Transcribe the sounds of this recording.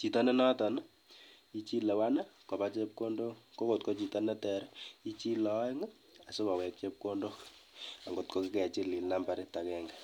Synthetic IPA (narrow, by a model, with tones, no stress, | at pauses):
t͡ʃi˨tɔ˦nɛ˦nɔ˦ta˨na˦ | i˦t͡ʃi˦le˨wa˦na˦ko˨pa˦t͡ʃe˦p̚ko˦ndo˦ko˦ko˨t̚ko˦t͡ʃi˨tɔ˦nɛ˦tɛ˨ɾi˦t͡ʃi˦lɔ˨˦ɪ˦ŋa˦ | a˨so˦ka˨wɛ˨k̚t͡ʃe˦p̚ko˦ndo˦a˨ŋɡo˨t̚ko˦ki˦kɛ˨a˨t͡ʃi˦li˨na˦mba˨ɾi˦ta˨kɛŋɡa˨